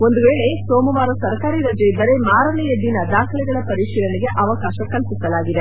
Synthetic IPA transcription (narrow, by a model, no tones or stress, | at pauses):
o̞nd̪uʋeːɭe̞soːmɐʋaːɾɐsɐɾkaːɾiɾɐd͡ʒɐjbɐɾe̞maːɾɐlɛjɐd̪inɐd̪aːkʰɐlɛɡɐɭɐpɐɾiʃiːɾɐneɡe̞ʔɐʋɐkaːʃɐkɐlpisɐlaːɡid̪e̞